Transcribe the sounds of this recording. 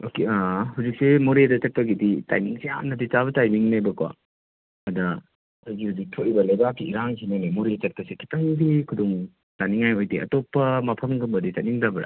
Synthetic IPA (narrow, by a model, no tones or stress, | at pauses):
okeahuzik̚semoɾedɐt͡ʃɐk̚pɐɡidita̰jmiŋsija̰nːɐdit͡ʃaβɐtajmiŋnɐjbɐkwa̰ | ɐdɐ | kʰojɡihuzik̚tʰoʔibɐlɐjbakːiːɾaŋkʰinanemoɾet͡ʃɐk̚tɐsikʰi̥paŋdekʰudɔŋ | taniŋajojdeʔɐ̰topːɐmɐpʰɐmɡɐmbɐditatniŋdɐbɐɾɐ̰